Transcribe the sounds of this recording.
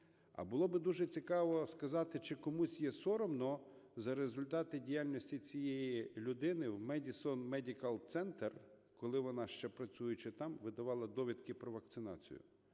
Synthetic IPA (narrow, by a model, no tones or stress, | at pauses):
ɐ̰bʊlˠɔbɪd̪uʒɛt͡sʲikɑʋɔskɐzɑt̪ɪt͡ʃɪkɔmusʲjɛsɔɾɔmnɔ | zɐɾezʊlʲt̪ɑt̪ɪdʲijalʲnɔsʲtʲit͡sʲijejiilʲʊd̪ɪnɪwmɛdʲisɔnmɛdʲikɐlˠt̪sɛnt̪er | kɔlˠɪʋɔnɑʃt͡ʃɛpɾɐt͡sʲujʊt͡ʃɛt̪ɑmʋɪd̪ɐʋɑlˠɐd̪ɔʋʲid̪kɪpɾɔʋɐk̚t̪sɪnɑt͡sʲḭjʊ̰